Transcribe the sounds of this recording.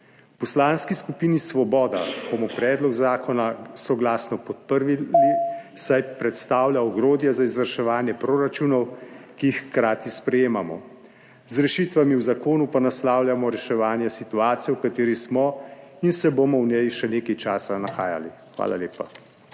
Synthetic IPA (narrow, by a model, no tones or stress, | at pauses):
wpɔslaːnskiskupiːnisʋɔbɔːd̪ab̥omɔpɾɛːd̪lɔɡzaːkɔnasɔɡlaːsnɔpɔt̪̚pəɾʋilisajpɾɛt̪st̪aːwljaɔɡɾoːd̪jɛzaizʋəɾʃɛʋaːnjɛpɾoːɾat͡ʃunɔwkiixkɾaːt̪ispɾɛjeːmamɔ̰ | zɾɛʃiːt̪ʋamiwzakoːnupanaslaːwlʲjamɔɾɛʃɛʋaːnjɛsit̪uaːt̪sijɛwkat̪eːɾismɔinsɛbomɔwnɛjʃɛneːkajt͡ʃaːsanaxaːja̰lixʋa̰ːlʔa̰leːpa